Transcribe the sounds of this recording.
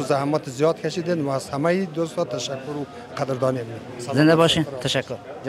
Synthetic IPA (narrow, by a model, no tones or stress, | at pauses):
zahmɔt̪ʰizijɔd̪kʰaʃid̪envaːzhamajid̪ost̪ɔt̪ʰaʃakːuɾu | qʰad̪ɾd̪ɔnem | zɪnd̪abɔʃint̪ʰaʃakːʊɾ